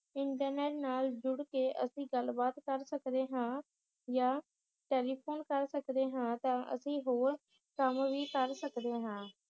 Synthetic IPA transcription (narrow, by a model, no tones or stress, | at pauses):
ɪɳʈəɾneːɾnaːld͡ʒʊɽkeːʔəsĩːɡəlbaːt̪kəɾsəkd̪eːɦãː | jaː | ʈeːliːpʰoːnkəɾsəkd̪eːɦãːt̪ãːʔə̰sĩːɦoːɾ | kəmʋiːkəɾsəkd̪eːɦãː